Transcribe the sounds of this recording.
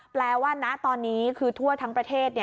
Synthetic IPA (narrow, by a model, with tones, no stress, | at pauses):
plɛː˧waː˥˩na˦˥ʔt̪ɔː˧nːiː˦˥kʰɯː˧t̪ʰu˥˩ɐt̪ʰaː˦˥ŋpɾa˧t̪ʰeː˥˩t̪̚ni˥˩